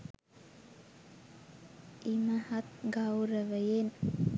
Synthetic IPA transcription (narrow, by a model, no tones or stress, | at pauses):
iməhat̪̚ɡawɾəʋəjen